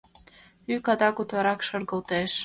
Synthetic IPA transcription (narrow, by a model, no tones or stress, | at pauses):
ykɑd̪ɑkut̪wɑɾɑkʃɤ̆ɾɣɤ̆lt̪eʃ